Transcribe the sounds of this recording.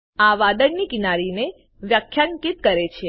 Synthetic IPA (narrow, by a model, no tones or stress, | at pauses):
aʋad̪əɳnikinaɾine | ʋjakʰːjaŋkit̪̚kəɾet͡ʃʰe